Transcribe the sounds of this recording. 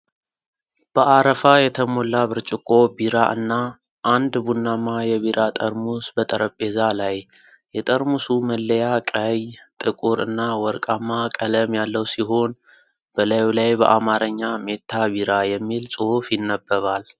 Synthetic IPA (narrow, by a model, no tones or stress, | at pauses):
b̥əʔaɾəfajɛt̪ʰəmolːaβɨɾt͡ʃʼɪkʼːo̞biɾaʔɨ̰nːa | ʔand̪bunːamajɛβiɾʔat̪ʼəɾmusbət̪ʼəɾəpʼːe̞zalaj | jɛt̪ʼəɾmusuməlːəjakʼəjt̪ʼɨkʼuɾɨ̰nːawɔɾkʼamːakʼələmjalːəwsiɦo̞n | b̥əlajlajbə̰ʔamaɾəɲːame̞t̪ʰːaβiɾajɛmːilsʼɨhufjɪnːəbːəβal